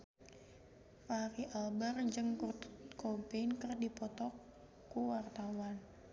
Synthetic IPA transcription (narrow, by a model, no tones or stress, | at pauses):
faɾiʔalbərd͡ʒɨŋkurt̪u̥t̪̚kɔpenkərdipɔt̪ɔk | kːuwart̪awan